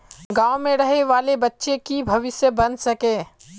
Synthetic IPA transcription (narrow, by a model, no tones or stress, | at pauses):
ɡaːomẽɾɐɦeʋaːlebɐtːʃekibʱɐʋɪsjəbɐnsɐkẽː